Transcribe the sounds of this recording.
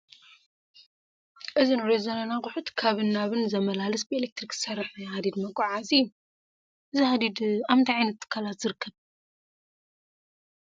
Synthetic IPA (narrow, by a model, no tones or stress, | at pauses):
ʔɨzinɾezonanakʼʊħut̪kʰaβɨnːaβɨnzɐmɐlalɨsbɨelek̚t̪ɾikɨsɐrːɨħnajhad̪id̪mɐkʼːaʕaziju | ʔɨzihad̪id̪aβnt̪ʰiʕajnɐt̪ʰːɨ̥kʰːalat̪z̥ɨɾɨkʰːɐβ